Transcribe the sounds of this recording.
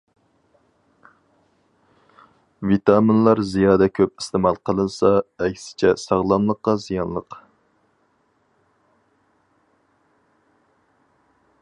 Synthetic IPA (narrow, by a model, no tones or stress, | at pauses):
vit̪ɑminlˠɑɾzijɑːd̪ɛkʲʰøp̚i̥st̪emɑlˠqʰəlˠɨnsɑɛkʲsɪ̥t͡ʃʰɛsɑʁlˠɑnlˠəqːɑzijɑnlˠəq